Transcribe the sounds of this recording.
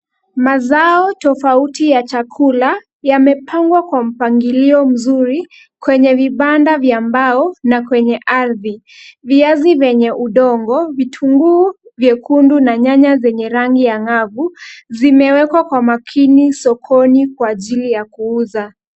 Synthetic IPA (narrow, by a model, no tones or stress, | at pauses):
mazaɔtɔfautijat͡ʃakʰula | jamɛpʰaŋɡwakwam̩paŋɡiliɔm̩zuɾi | kwɛɲɛviɓandavjambaɔnakwɛɲɛʔaɾði | viazivɛɲɛʔuɗɔŋɡɔvitʰuŋɡuːvjɛkundunaɲaɲazɛɲɛɾaŋɡijaŋavuzimɛwɛkwakwamakʰinisɔkʰɔnikwaːʄilijakuuza